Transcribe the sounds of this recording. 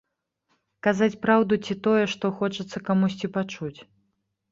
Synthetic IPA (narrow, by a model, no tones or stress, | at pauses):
kazat͡sʲpɾawd̪ut͡sʲit̪ɔjɛʂt̪ɔxɔt͡ʂɐt̪sːɐkamusʲt͡sʲipat͡ʂut͡sʲ